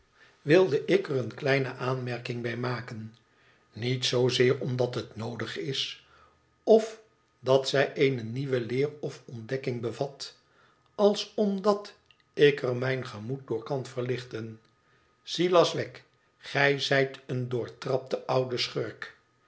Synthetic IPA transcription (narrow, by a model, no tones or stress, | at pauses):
ʋɪlˠdəʔɪkərənklɛjnəʔaːnmɛɹkɪŋbɛjmaːkən | nitsowzɪːɹɔmdɑtɦətnowdəχɪs | ɔf | dɑtsɛjʔejnəniʋəlɪːrɔfɔndɛkɪŋbəvɑt | ɑlˠsɔmdɑt | ɪkəɹmɛjnχəmut̚dʊːɹkɑnv̥əɹlɪχtən | z̥ilɑsʋɛk | χɛjzɛjtəndʊːɹtrɑp̚təʔʌwdəsχøɹk